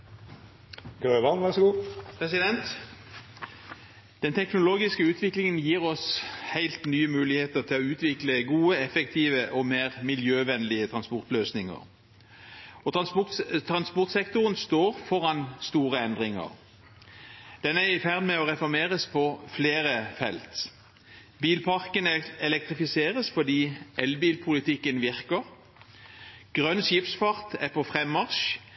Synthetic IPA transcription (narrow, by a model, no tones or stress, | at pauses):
ɡɾøːʋɑnʋæʁɡuːpʰʁɛsɪd̪ɛnt̪ | d̪̥ɛnt̪ʰɛknʊloːɡɪskəʉːt̪ʰʋɪklɪŋənjiːʁɔshæɪlt̪nyːəmʉːlɪheːt̪əʁt̪ʰɪlɔʉːt̪ʋɪkləɡuːəɛfɛk̚t̪ʰiːʋəʔɔmeːʁmɪljøːʋɛnlɪət̪ʰʁɑnspɔʁt̪løːsnɪŋə̰ʁ | ɔt̪t̪ʰʁɑnspɔʁt̪sɛkt̪ʊʁənst̪oːʁfɔʁɑnst̪uːʁəɛnd̪ʁɪŋə̰ʁ | d̪̥ɛnæʁɪfæʁd̪mɛɔʁɛfɔʁmeːʁəspʰɔfleːʁəfɛlt̪ | biːlpʰɑʁkənɛlɛk̚t̪ʁɪfɪseːʁəsfɔd̪iːʔɛlbiːlpʰʊlɪt̪ʰɪkːənʋɪʁkəʁ | ɡ̥ʁœnʃɪpsfɑʁt̪æʁpʰɔfʁɛmːɑʁʃ